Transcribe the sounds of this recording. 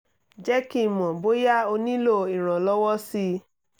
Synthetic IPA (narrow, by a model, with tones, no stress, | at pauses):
d͡ʒɛ˦ki˦˨mɔ̃˨bo˦ja˦o˧nĩ˦lo˦˨i˨ɾ̃ã˨lɔ˦wɔ˦si˧˦